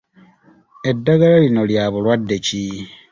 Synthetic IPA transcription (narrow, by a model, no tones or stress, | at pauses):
e̞dːaɡalalino̞ljaβulwadːe̞ci